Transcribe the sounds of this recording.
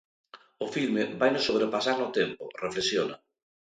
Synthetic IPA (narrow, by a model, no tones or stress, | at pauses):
ʊfilmɪβajnʊsoβɾepasaɾnʊt̪empʊ̰reflesjona̰